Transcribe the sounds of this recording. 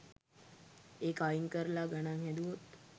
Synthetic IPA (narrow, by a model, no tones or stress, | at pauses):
eːkajiŋkəɾlaɡanaŋhɛd̪uʋot̪